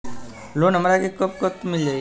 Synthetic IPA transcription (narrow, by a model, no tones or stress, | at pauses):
lonɐmɾakekəp̚kət̪mɪld͡ʒaːi